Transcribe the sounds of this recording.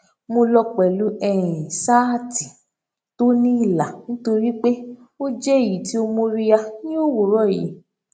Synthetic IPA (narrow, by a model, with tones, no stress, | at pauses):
mo˧lɔ˧k͡pɛ˨lu˨˦ɛ˦˨ɾĩ˨sa˦˨ti̥˨ | to˦nĩ˦i˦˨la˨nĩ˦to˧ɾi˦k͡pe˦ | o˦d͡ʒɛ˦˨ji˨˦ti˦o˧mõ˧ɾi˧ja˧nĩ˦o˦wo˨ɾɔ˦˨jḭ˨˦